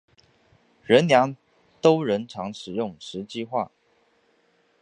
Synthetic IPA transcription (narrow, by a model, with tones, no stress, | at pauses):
ɻə˧˦nljɑ˧˥ŋ | t̪o˥ʊɻə˧˦˥nʈ͡ʂʰɑ˧˥ŋʂɻ̩˨˩jʊ˥˩ŋʂɻ̩˧˥t͡ɕi˥˧xwa̰˥˩